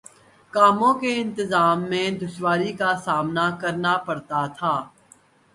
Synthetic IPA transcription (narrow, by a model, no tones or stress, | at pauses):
kaːmõkeɪ̃nt̪ɪzaːmːẽd̪ʊʃwaːɾikasaːmnakɐɾnapɐɽt̪at̪ʰaː